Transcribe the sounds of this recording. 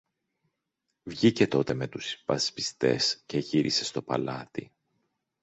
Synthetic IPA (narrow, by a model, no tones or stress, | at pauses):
vʝice̞t̪o̞t̪e̞me̞t̪uspɐspi̥st̪e̞̰sce̞ʝiɾʔise̞st̪o̞pɐ̰lɐt̪ḭ